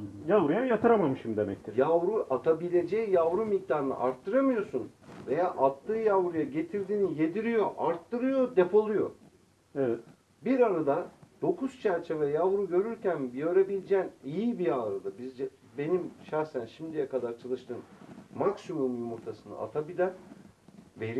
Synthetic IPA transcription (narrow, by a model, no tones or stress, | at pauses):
javɾujajat̪ʰɯɾamamɯʃimd̪emɛc̚t̪ʰijavɾuʔat̪ʰabilʲe̞d͡ʒejijavɾumik̚d̪aːɾɯnɯ̰ʔaɾt̪ʰːɯɾamɯjo̞sun | ve̞jaːʔat̪ːɯːjavɾujaɟe̞t̪ʰiɾd̪iːnije̞d̪iɾijo̞ʔaɾt̪ːɯɾɯjo̞d̪epʰo̞lˠujo̞ | ɛvɛt̪ | biɾaɾad̪ad̪̥o̞kʰuz̥t͡ʃʰæɾt͡ʃʰe̞vɛjavɾuɟø̞ɾyɾcænbjø̞ɾe̞bilʲed͡ʒɛːnijibiaɾad̪abizd͡ʒ | be̞nimʃaɾsænʃimd̪ijɛkad̪aɾt͡ʃʰalˠɯʃt̪ʰɯːnmaksimumuj̪muɾt̪ʰasɯna̰a̰t̪ʰabilʲæn | ve̞ɾi